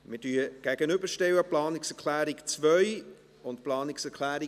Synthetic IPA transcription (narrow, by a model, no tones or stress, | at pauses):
mɪdyːəɡ̥æɡ̥ənʏbəɾʃtɛwəplɑːnɪksɛʁkʰlæːɾɪkt͡svœʏ | ʊntplɑːnɪksɛkʰlæːɾɪ